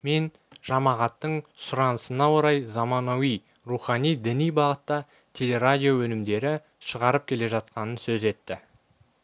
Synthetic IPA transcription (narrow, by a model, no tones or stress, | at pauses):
me̞n | ʒ̥ɑmɑʁɑt̪ːəɴsʊɾɑnəsənɑwoɾɑjzɑmɑnowij | ruχɑnijd̪ɪnijbɑʁət̪ːɑ | t̪ʲʰe̞le̞ɾadʲijo̞wɵnɪmd̪e̞ɾɪ | ʃəʁɑɾəp̚kʲʰe̞le̞ʒɑt̪̚qɑnənsɵze̞t̪ːɪ